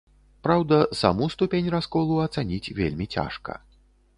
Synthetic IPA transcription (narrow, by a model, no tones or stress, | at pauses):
pɾawd̪ɐsa̰must̪upʲenʲraskɔlˠuɐt̪sanʲit͡sʲvʲelʲmʲit͡sʲa̰ʂkɐ̰